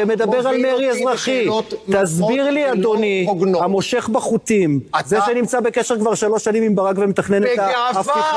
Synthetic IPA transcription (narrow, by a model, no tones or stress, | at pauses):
eme̞d̪abe̞ʁalmeʁiezʁaχit̪azbiʁliad̪oniɡamo̞ʃe̞χbaχut̪imzeʃenimt͡sabekeʃeʁkvaʁʃalo̞ʃanimimbaʁakvemet̪aχnenet̪af